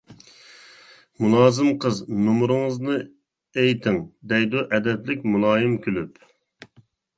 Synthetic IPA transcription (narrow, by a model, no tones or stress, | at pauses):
mulˠɑːzɨmqʰəznumɾɨŋəznɨ | ejt̪ʰɪŋd̪ɛjd̪uʔɛd̪ɛt̪lɪk̚ʲmulˠɑːjɨmkʲʰylyp